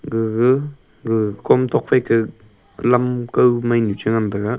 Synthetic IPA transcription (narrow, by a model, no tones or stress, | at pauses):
ɡɯɡɯ | ɡɯkʰɔmt̪ʰɔk̚pʰajkʰɯ | lamkawmajnut͡ʃɯŋandaɡa